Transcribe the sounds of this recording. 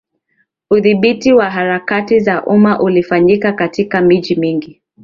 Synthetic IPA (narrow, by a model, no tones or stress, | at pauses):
uðiɓitiwaɦaɾakatizaʔumaʔulifaɲikakatikamiʄimiŋɡi